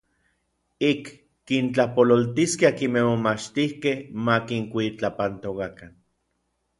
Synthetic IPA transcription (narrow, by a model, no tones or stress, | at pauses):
ikː | int͡ɬapololt̪iskeakimehmomat͡ʃt̪ihkehmakiŋkʷit͡ɬapant̪okakan